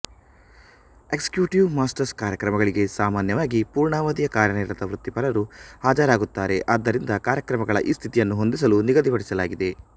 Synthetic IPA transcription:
ekskjuːʈiʋmaːsʈɐɾskaːɾjɐkɾɐmɐɡɐɭiɡe̞saːmaːnjɐʋaːɡipuːɾɳaːʋɐd̪ijɐkaːɾɐɳeːɾɐd̪ɐʋɾut̪ːipɐlɐɾuaːd͡ʒɐɾaːɡut̪ːaːɾe̞ʔad̪ːɐɾind̪ɐkaːɾjɐkɾɐmɐɡɐɭɐ̰ʔiːst̪ʰit̪ijɐnːuɦo̞nd̪is̬ɐluniɡɐd̪ipɐɽisɐlaːɡid̪e̞

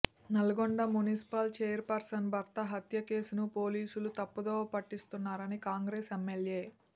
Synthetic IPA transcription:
nɐlɐɡoɳɖɐmunisi̥palt͡ʃeːjɐɾpɐɾsɐnbʱɐɾt̪ɐɦɐt̪jɐke̞ːsunupo̞ːliːsulut̪ɐpːɐd̪oːpɐʈːist̪unːaːɾɐnikaːŋɡɾeːsemːelje̞ː

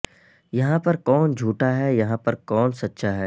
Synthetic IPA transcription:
jɐɦãpɐɾkɔːnd͡ʒʱuːʈaɦɛjɐɦãpɐɾkɔːnsɐtːʃaɦɛː

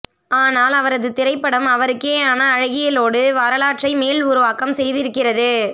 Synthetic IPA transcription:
aːnaːlɐʋɐɾɐðɯt̪ɪɾɐɪpːɐɽɐmɐʋɐɾɯkːeːaːnɐːɻɐɣɪjɐloːɽɯʋaːɾɐlaːʈrɐɪmeːlʊɾʊʋaːkɐmsɛjðɪɾɯkːɪrɐðɯ

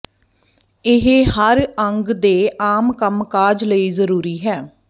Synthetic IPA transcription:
ɪɦhəɾəŋɡd̪eːʔaːmkəmkaːd͡ʒləiːzəɾuːɾiːɦɛː

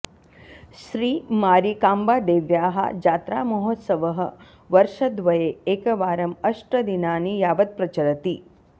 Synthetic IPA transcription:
ʃɾiːmaːɾikaːmbaːd̪eːʋjaːɦɐ̰d͡ʒaːt̪ɾa̰ːmɐɦot̪sɐʋɐɦɐ̆ | ʋɐɾʂɐd̪ʋɐjeːeːkɐʋaːɾɐmɐʂʈɾɐd̪inaːnijaːʋɐt̪̚pɾɐt͡ʃɐɾɐt̪i

